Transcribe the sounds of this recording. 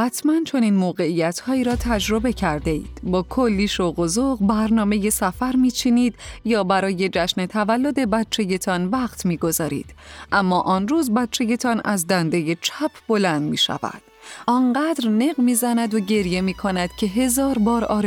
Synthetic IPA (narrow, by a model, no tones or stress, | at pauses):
hæt̪ʰmænt͡ʃʰo̞niːnmoːɣe̞ijæt̪ʰhɒːiːɾɒːt̪ʰæd͡ʒɾo̞be̞cʰæɾd̪eḭːd̪̥bɒːkʰolːiːʃoɣo̞zoɣbæɾnɒːme̞je̞sæfæɾmiːt͡ʃʰiniːd̪jɒːbæɾɒːje̞d͡ʒæʃne̞t̪ʰævælːod̪e̞bæt̪̚t͡ʃʰe̞je̞t̪ʰɒːnvæqt̪ʰmiːɡo̞zɒːɾḭːd̪̥ʔæmːɒːʔɒnruːzbæt̪̚t͡ʃʰe̞je̞t̪ʰɒnæzd̪ænd̪e̞je̞t͡ʃʰæpʰb̥o̞lænd̪mḭːʃæ̰væ̰d̪̥ʔɒnɢæːd̪ɾne̞ɣmiːzænæd̪oɟe̞ɾje̞miːkʰo̞næd̪̥cʰe̞ɦe̞zɒːɾbɒːɾɒːɾ